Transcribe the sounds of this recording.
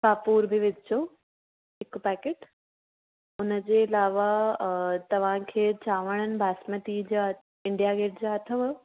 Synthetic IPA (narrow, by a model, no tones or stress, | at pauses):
kaːpuːɾbʱɪʋɪd̪ʱɪt͡ɕʰo | ɦɪkpɛːkeːʈ | ʊnəd͡ʑeːɪlaːʋa | t̪ɐʋ̤ãkʰeːt͡ɕaːʋəɽ̃ənɪ̆bʱaːsmət̪id͡ʑaː | ɪ̃ɳɖijaːɡeːʈd͡ʑaːɐt̪ʰəʋə